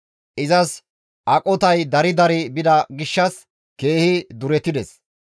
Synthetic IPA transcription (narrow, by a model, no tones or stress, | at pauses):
ʔɪzɐs | ʔɐkʼɔt̪ɐjd̪ɐɾɪd̪ɐɾɪbɪd̪ɐɡɪʃːɐs | ke̞ːhɪd̪ʊɾɛt̪ːɪd̪ɛs